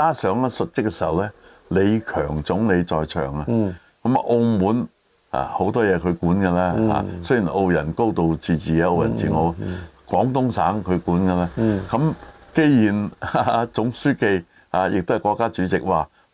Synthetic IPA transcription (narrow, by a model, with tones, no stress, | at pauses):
kaː˥sœː˨˥ŋlɛː˥sɵ˨t̚t͡sɪ˥kːɛ˧siː˨˩hɐ˨wlɛː˥ | le˨˧jkʰœː˨˩ŋt͡sʊ˨˥ŋle˨˧jt͡ʃɔː˧jt͡ʃʰœ̰ː˨˩ŋa˧ | kɐ˨˦˥ma˧ʔo˧wmuː˨˥n | a̰ː˨˩ho˨˧wt̪ɔː˥jɛː˨˧kʰɵ˨˧kuː˨˥nkɛ˧laː˥a̰ː˨˧sjiː˨˩nʔo˧wjɐ˨˩nko˥wt̪o˨˧wt͡siː˨˩t͡siː˨˩jɛː˨˧o˧wjɐ̰˨˩nt͡siː˨ŋo˨˧wkwɔː˨˧˥ŋt̪ʊ˥ŋsaː˨˥ŋkʰɵ˨˧kuː˨˥nkɐ˧laː˥kɐ˨˧˥mke˥jjiː˨˩na˧t͡sʊ˨˥ŋsyː˥ke˧j | aː˨˧jɪ̰˨k̚t̪hjkʷɔː˧kːaː˥t͡ʃyː˨˥t͡sɪ˨k̚waː˨